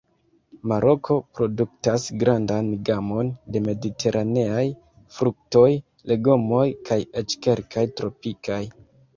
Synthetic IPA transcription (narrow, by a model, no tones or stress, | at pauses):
maɾo̞kʰo̞pɾo̞duk̚tasɡɾandanɡamo̞nde̞me̞ditʰe̞ɾʔane̞aj | fɾuk̚to̞j | le̞ɡo̞mo̞jkajet͡ʃke̞ɾkʰajtɾo̞pikaj